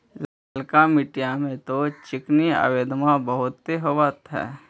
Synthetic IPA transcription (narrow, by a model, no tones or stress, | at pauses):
laːlkamɪʈijamẽt̪ot͡ʃɪknia̰ːʋeːd̪mabəɦʊt̪ːeɦoʋat̪ɦɛ̰ː